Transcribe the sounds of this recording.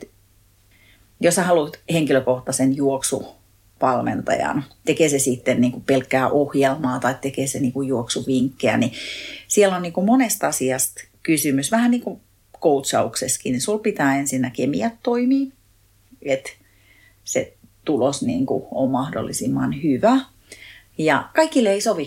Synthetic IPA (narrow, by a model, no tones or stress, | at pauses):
et̪ | josɑhɑlut̪heŋkiløkoht̪ɑsenjuoksṵ | ʋɑlmḛnt̪ɑ̰jɑ̰nt̪ekeːsesit̪ːenniːŋkupelkːæːʔohjelmɑːt̪ɑitt̪ekeːseniːŋkujjuoksuʋiŋkːeæ̰nisiɛlonniːŋkumonest̪ɑsiɑst̪kysymysʋæhæniːŋku | kout̪sɑukseskinisulpit̪æːensinːækemḭæt̪toimiː | et̪ | sḛt̪ulosnḭːŋkṵommɑhdo̰lːisimːɑnhyʋæ | jɑkɑikːileisoʋi